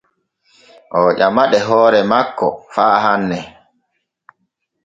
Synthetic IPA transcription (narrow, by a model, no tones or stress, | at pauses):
ʔɔʄamaɗɛɦɔːɾɛmakːɔ̰faːhanːɛ